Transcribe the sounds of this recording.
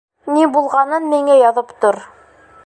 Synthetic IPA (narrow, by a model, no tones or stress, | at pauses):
nibulˠʁɑnɤnmiŋæjɑðɤpt̪oɾ